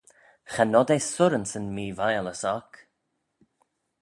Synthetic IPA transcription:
xanɔd̪ejsʊɾənsənmiːvajələsɔk

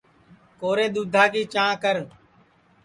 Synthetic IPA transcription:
koːɾeːɗ̪uːd̪ʱaːkiːt͡ʃãːkəɾ

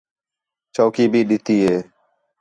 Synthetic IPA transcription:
t͡ʃoːkiːbʱiːɗɪt̪iːɦeː

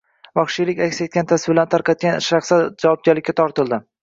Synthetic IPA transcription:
vɒχʃijlɪkʲakʲset̪̚kʲant̪ʰasɪbɪlant̪ʰaɾqʰɑt̪̚kʲanʃɾɑχsad͡ʒavɒb̚ɡʲaɾlɪkʲːat̪ʰɒɾt̪ɪlˠd̪ɪ

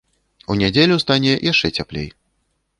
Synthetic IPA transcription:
unʲad͡zʲelʲust̪anʲɛjʔaʂt͡ʂɛt͡sʲaplʲḛj

